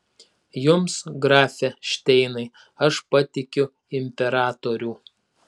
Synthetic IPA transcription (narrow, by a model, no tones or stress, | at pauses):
jʊmsɡɾɑːfʲɛʃʲt̪ʲɛɪnɐɪ | ɐʃpɐt̪ʲɪkʲʊ | ɪmʲpʲɛɾɑːt̪oɾʲuː